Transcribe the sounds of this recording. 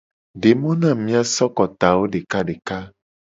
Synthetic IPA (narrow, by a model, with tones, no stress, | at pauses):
ɖe˨mɔ̃˦nã˦˨mĩ˦a˨sɔ˦kɔ˨t̪a˨wo˦ɖe˨ka˦ɖe˨ka˦